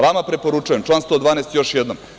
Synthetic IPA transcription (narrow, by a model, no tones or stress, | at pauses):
ʋamapɾepo̞ɾut͡ʃujemt͡ʃlˠanst̪od̪vʋaːnest̪jo̞ʃjed̪nom